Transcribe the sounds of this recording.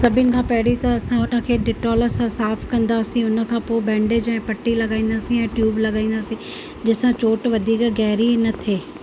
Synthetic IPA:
sɐbʱɪnɪ̆kʰãːpɐɦɪɽit̪ɐɐsãɦʊnə̆kʰeːɖɪʈɔːləɾsãsaːfkɐ̃nd̪aːsĩʊnə̆kʰãːpoːɪbɛ̃ːɳɖed͡ʑɐ̃ːɪ̃pɐʈːilɐɡaːĩːnd̪aːsĩɛ̃ʈjuːblɐɡaːĩːn̆d̪aːsĩ | d͡ʑɪsãt͡ɕoːʈʋɐd̪ʱiːkɡɛɦɾinɐt̪ʰeː

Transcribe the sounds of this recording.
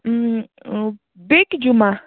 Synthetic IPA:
bɪɡd͡ʒuma

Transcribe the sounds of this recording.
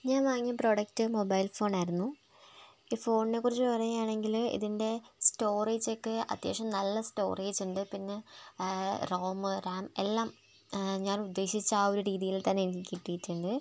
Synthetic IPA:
ɲaːnʋaːŋːijɐpro̞ːɽɐk̚tɨmo̞bɐjlfo̞ːɳaːjiɾunːu | iːfo̞ːɳine̞kːurit͡ɕːɨpɐrɐjuaːɳe̞ŋɡilḭðinde̞sto̞ːriːd͡ʑokːɨɐ̰t̪jḛːʂɐmnɐlːɐsto̞ːriːd͡ʑuɳɖɨpinːe̞ | ro̞ːmɨɾaːmelːaːm | ɲaːnud̪ːe̞ːɕit͡ɕːaːoɾuɾiːðijilt̪ɐnːeenikikʲːiʈːijitːuɳɖɨ

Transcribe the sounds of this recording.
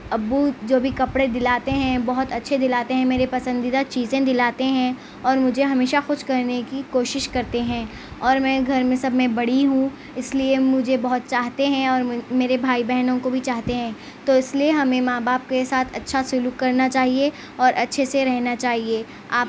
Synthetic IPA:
ɐbːud͡ʒoːbʱikɐpɽed̪ɪlaːt̪eɦɛ̃bɔɦʊt̪ɐtːʃʰed̪ɪlaːt̪eɦɛ̃meːɾepɐsə̃nd̪id̪at͡ʃiːzẽd̪ɪlaːt̪eɦɛ̃ | ɔːɾmʊd͡ʒʱeɦɐmeːʃaxʊʃkɐɾnekikoːʃɪʃkɐɾt̪eɦɛ̃ː | ɔːɾmɛ̃ːɡʱɐɾmẽsɐbmẽbɐɽ̤iɦũ | ɪsliemʊd͡ʒʱebɔɦʊt̪̚t͡ʃaːɦt̪eɦɛ̃ɔːɾmeːɾebʱaːibɛɦnõkobʱit͡ʃaːɦt̪eɦɛ̃ː | t̪oɪslieɦɐmẽmaːbaːp̚kesaːt̪ʰɐtːʃʰasʊluːkːɐɾnat͡ʃaːɦie | ɔːɾʔɐtːʃʰeseɾɛɦnat͡ʃaːɦie | aːp

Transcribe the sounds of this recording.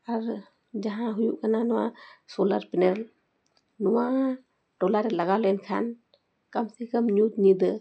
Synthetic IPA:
aɾ | d͡ʒaɦãɦujṵʔkananɔwa̰sɔla̰ɾpinel | nɔwa | ɖɔlaɾɛlaɡalɔɛnkʰa̰n | kamsʰikəmɲut̪ɲid̪ə

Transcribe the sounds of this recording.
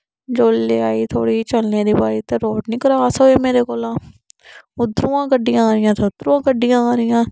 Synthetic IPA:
d͡ʒoːlːeːaːiːt̪ʰoːɽiːt͡ʃəlneːd̪iːbaːɾiːt̪eːɾoːʈnĩːkəɾaːsoːeːmeːɾeːkoːlãː | ʊd̪ɾũːãːkəɖɪjãːɾɪjãːt̪əd̪ɾũːãːkəɖɪjãːaːɾɪjãː

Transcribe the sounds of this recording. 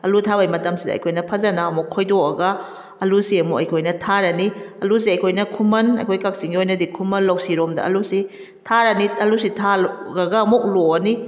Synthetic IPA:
ɐlutʰabɐajmɐtɐmsidɐ̰ɐ̰jkʰojnɐpʰɐzɐnɐːmokʰojdoɐɡɐː | lusiɐmukɐjkʰojnɐtʰaɾɐniɐlus̬iɐjkʰojnɐkʰumɐnɐ̰jkʰojkɐk̚siŋɡiojnɐdikʰumɐnlɐwsiɾomdɐ̰ʔɐ̰lusi | tʰaɾɐniɐlusitʰaɾɐɡɐːmok̚loɐni

